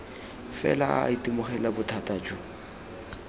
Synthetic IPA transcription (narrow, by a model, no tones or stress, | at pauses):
fɛ̰laa̰itʼimʊχɛlabʊtʰatʼaːt͡ʃʼʊ